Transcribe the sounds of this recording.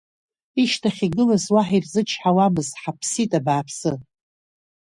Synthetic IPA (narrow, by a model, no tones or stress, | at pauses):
iʃtʰaχʲiɡɨlazwaħirzɨt͡ʃʰħawamɨzħapʰsitʼabaːpʰsɨ